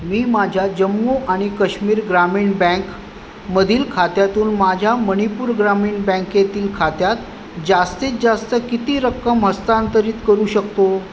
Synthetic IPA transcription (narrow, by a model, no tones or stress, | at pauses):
miːmad͡ʑʱjad͡ʑəmːuʔaɽ̃ikəɕmiːɾɡɾamiːɳbɛ̃ŋk | məd̪ʱiːlkʰat̪jat̪uːnmad͡ʑʱjaməɽ̃ipuːɾɡɾamiːɳbɛ̃ŋkjet̪iːlkʰat̪jat̪ | d͡ʑast̪iːt͡sd͡zast̪əkit̪iːɾəkːəmɦəst̪ant̪əɾiːt̪kəɾuːɕəkt̪o